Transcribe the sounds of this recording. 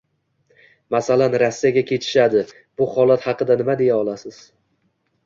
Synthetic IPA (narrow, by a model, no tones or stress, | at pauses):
masalanɾasːijaɡʲakʲʰe̞t̪ʰɪ̥ʃad̪ɪ | bʊχɒlat̪hɑqɨd̪anɪmad̪e̞jaɒlˠasɪz̥